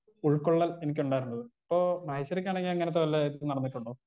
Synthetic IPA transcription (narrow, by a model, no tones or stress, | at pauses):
uɭkoɭːɐle̞nik̬ʲːuɳɖaːjiɾunːɐðɨipːoːmɐjɕɐɾik̬ʲːaːɳeŋɡilɐŋːɐneɐt̪ːeʋɐlːeðnɐɽɐnːiʈːuɳɖu